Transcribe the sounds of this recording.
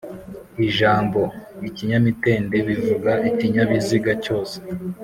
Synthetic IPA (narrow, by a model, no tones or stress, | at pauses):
iʒaːmbo̞iciɲamite̞ːnde̞βivuɡaʔiciɲaβiziɡaco̞ːse̥